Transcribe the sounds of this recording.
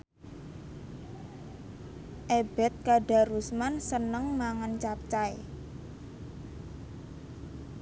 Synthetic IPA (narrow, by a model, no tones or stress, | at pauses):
ʔeb̥ɛ̤t̪̚kaɖa̤rusmansənəŋmaŋant͡ʃap̚t͡ʃae